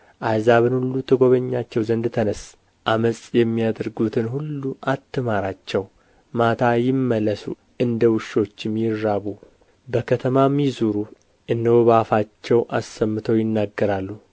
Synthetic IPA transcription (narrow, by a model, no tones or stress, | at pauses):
ʔajzaβɨnhulːut̪ʰəɡo̞βəɲːat͡ʃːɛwzənd̪t̪ʰənəs | ʔaməsʼjɛmːijad̪ɨɾɡut̪ʰɨnhulːuʔat̪ːɨmaɾat͡ʃːɛw | mat̪ʰajɪmːəlːəsṵ | ʔɨnd̪əwɨʃo̞t͡ʃːmːjɪɾːaβu | bəkʰət̪ʰəmamizuɾu | ʔɨnd̪əwoβafat͡ʃːɛwʔasːəmːɨt̪ʰəwjɪnːaɡːəɾalːu